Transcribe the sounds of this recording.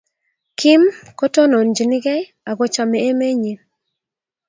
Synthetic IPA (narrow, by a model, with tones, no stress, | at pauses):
kʰi˦mkɔ˦tɔ˦nɔ˨nd͡ʒi˨ni˦ɡɛ˦j | a˨ɡɔ˦t͡ʃa˨mɛ˨e˦me˦ɲi˨